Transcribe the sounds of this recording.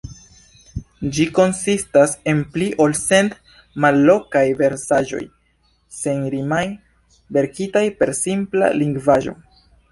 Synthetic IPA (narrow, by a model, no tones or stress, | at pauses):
d͡ʒiko̞nsistase̞npliʔo̞lse̞nt | malːo̞kajve̞ɾsaʒo̞̰j | se̞nɾimaj | ve̞ɾkitajpe̞ɾsimpla̰liŋɡvaʒo̞̰